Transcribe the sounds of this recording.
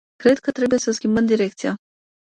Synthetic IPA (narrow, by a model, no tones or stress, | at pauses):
kɾe̞d̪̚kət̪ɾe̞buje̞səskʲimbəmd̪iɾe̞k̚t̪sia